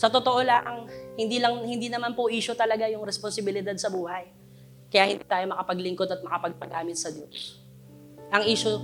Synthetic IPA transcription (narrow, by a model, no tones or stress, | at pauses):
sɐt̪ot̪oʔo̞laʔɐŋhɪnd̪iːlɐŋhɪnd̪inɐmanpoʔiːʃot̪ɐlɐɡajʊŋɾɛsponsɪbɪlɪd̪ad̪̚sɐbuːɦɐj | kɐjahɪnd̪iːt̪aːjo̞mɐkɐpɐɡlɪŋkod̪ɐt̪̚mɐkɐpɐɡ̚pɐɡaːmɪt̪̚sɐd̪jos | ʔɐŋʔiːʃo